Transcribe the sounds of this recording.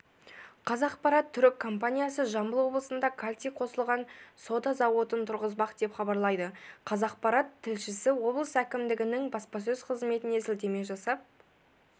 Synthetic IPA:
qʰɑzɑqpɑɾɑt̪ʰːʏɾɪkʰːo̞mpanʲijasəʒɑmbəlˠwo̞blˠəsənd̪ɑkʰalʲt̪ʲijqʰo̞səlˠʁɑnso̞d̪ɑzɑwo̞t̪ənt̪ʰʊɾʁəzbɑqd̪e̞pχɑbɑɾlˠɑjd̪əqʰɑzɑq̚pɑɾɑt̪ʰːɪlʃɪsɪwo̞blˠəsækʲɪmd̪ɪɡʲɪnɪŋbɑspɑs̬ɵzqʰəzme̞t̪ɪne̞sɪld̪e̞me̞ʒɑsɑp̚

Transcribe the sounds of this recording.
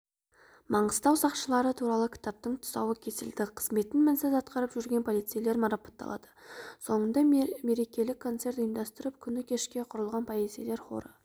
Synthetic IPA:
mʔɑɴəst̪ɑwsɑqʃəlˠɑɾət̪ʰuɾɑlˠəkʲʰɪ̥t̪ɑp̚t̪əɴt̪ʰʊ̥sɑ̰wəkʲʰe̞sɪld̪ɪqʰə̥zme̞t̪ɪnmænsæzɑt̪qɑɾpʒʏɾɡʲe̞npʰo̞lˠijt̪sijle̞ɾmɑɾɑpɑ̥t̪ːɑ̰lˠɑ̰d̪̥ə̥so̞ɴənd̪ɑme̞ɾe̞kʲe̞lɪkʰːo̞nt̪se̞ɾt̪jənd̪ɑst̪əɾəp̚kʲʰʏnɪkʲʰe̞ʃkʲe̞qʰʊɾəlˠʁɑnpʰɑjezele̞ɾχo̞̰ɾə̰

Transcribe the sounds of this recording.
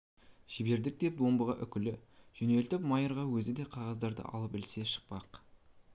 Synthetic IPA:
ʒɪbe̞ɾd̪ɪk̚d̪e̞p̚d̪o̞mbəʁɑʔʏkʲɪlɪʒ̥ɵne̞lt̪ɪpmɑjəɾʁɑwɵzɪd̪e̞qʰɑʁɑzd̪ɑɾd̪ə̰ʔɑ̰lˠəpbɪlse̞ʃə̥q̚pɑq

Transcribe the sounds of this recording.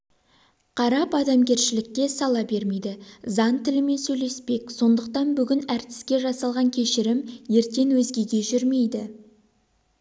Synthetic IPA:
qʰɑɾɑpɑd̪ɑmɡʲe̞ɾʃɪlɪk̚ʲːe̞sɑlˠɑbe̞ɾme̞jd̪ɪzɑnt̪ʰɪlɪme̞nsɵjle̞spe̞k̚ʲso̞nd̪əq̚t̪ɑnbʏɡʲɪnæɾt̪ɪ̥skʲe̞ʒɑsɑlˠʁɑŋkʲʰe̞ʃɪɾɪmje̞ɾt̪e̞nwɵzɡʲe̞ɡʲe̞ʒʏɾme̞jd̪ɪ

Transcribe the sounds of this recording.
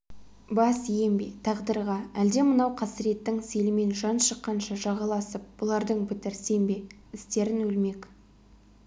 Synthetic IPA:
bɑsije̞mbḛt̪ʰɑʁd̪əɾʁɑæld̪e̞mənɑwqʰɑsəɾe̞t̪ːɪŋselɪme̞nʒɑnʃəqːɑnʃɑʒɑʁɑlˠɑsəp̚b̥ʊlˠɑɾd̪əɴbɪt̪ɪɾse̞mbe̞ | ɪst̪e̞ɾɪnɵlme̞k

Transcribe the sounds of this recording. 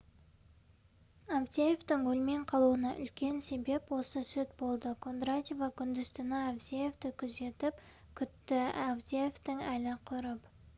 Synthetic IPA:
avt̪ʲejeft̪ɪŋwɵlme̞ɴqʰɑlˠuənɑʔʏ̰lkʲe̞nse̞be̞pwo̞səsʏt̪̚bo̞lˠd̪əkʰo̞nd̪ɾat̪ʲevɑkʲʰʏnd̪ɪzt̪ɪnɑavd̪ʲejeft̪ɪkʲʰʏze̞t̪ɪp | kʲʰʏt̪ːɪavd̪ʲejeft̪ɪŋælɪqʰʊɾəp

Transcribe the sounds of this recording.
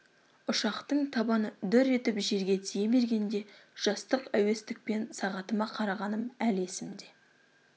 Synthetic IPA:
ʊʃɑqt̪əɴt̪ʰɑbɑnəd̪ʏɾe̞t̪ɪpʒe̞ɾɡʲe̞t̪ʰijeme̞ɾɡʲe̞nd̪e̞ʒ̥ɑst̪əqæwe̞st̪ɪk̚pe̞nsɑʁɑt̪əmɑqʰɑɾɑʁɑnəmæle̞sɪmd̪e̞

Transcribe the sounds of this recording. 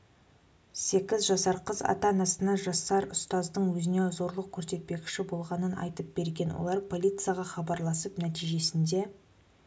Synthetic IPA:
se̞kʲɪzʒɑsɑɾqəzɑ̰t̪ɑnɑsənɑʒɑsːɑɾʊst̪ɑzd̪əɴwɵzɪne̞zo̞ɾlˠəq̚kʲʰɵɾse̞t̪̚pe̞kʲɪ̥ʃɪbo̞lˠʁɑnənɑ̰jt̪əp̚b̥e̞ɾɡʲe̞nwo̰lˠɑɾpʰo̞lʲˠijt̪sɨjaʁɑχɑbɑɾlˠɑsəpnæt̪ijʒe̞sɪnd̪e̞

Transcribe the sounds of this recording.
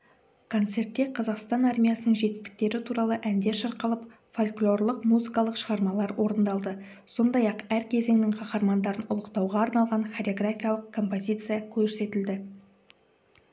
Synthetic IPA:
kʰo̞nt̪se̞ɾt̪ːe̞qʰɑzɑqst̪ɑnɑrmʲijasənəɴʒe̞t̪ɪ̥st̪ɪ̥k̚t̪e̞ɾɪt̪ʰuɾɑlˠəʔænd̪e̞ʃɑɾqəlˠəp | folʲklˠo̞rlˠəqmuzikɑlˠəqʃəʁɑɾmɑlˠɑɾwʔo̞ɾənd̪ɑlˠd̪ə | so̞nd̪ɑjɑqæɾkʲʰe̞ze̞ŋnɪŋqʰɑqɑɾmɑnd̪ɑɾənʊ̰lˠəqt̪ɑwʁɑːɾnɑlˠʁɑnχaɾʲo̞ɡrafʲijalˠəqkʰo̞mpo̞zʲijt̪sɨjakʲʰɵɾse̞t̪ɪld̪ɪ

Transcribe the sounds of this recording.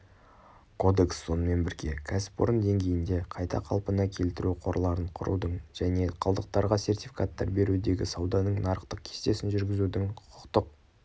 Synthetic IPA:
kʰo̞d̪e̞ksːo̞nəme̞nbɪɾɡʲe̞kʲʰæsɪ̥poɾənd̪e̞ŋɡʲe̞jɪnd̪e̞qʰɑjt̪ɑ̰qʰɑlˠpənɑkʲʰe̞lt̪ɪɾʔuqʰo̞ɾlˠɑɾəɴqʰʊɾṵd̪əɴʒ̥æne̞qʰɑlˠd̪əq̚t̪ɑɾʁɑse̞rt̪ifi̥kat̪ːɑ̰ɾbe̞ɾud̪e̞ɡʲɪ̰sɑwd̪ɑnəɴnɑɾəqt̪əq̚kʲʰe̥st̪e̞sɪnʒʏɾɡʲɪzud̪ɪŋʰʊ̥qʰʊ̥qt̪əq̚

